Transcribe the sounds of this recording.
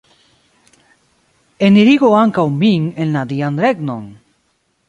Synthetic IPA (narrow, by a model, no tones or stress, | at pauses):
eniɾiɣoaŋkawmbiŋenlad̪iand̪ɾeɡnoŋ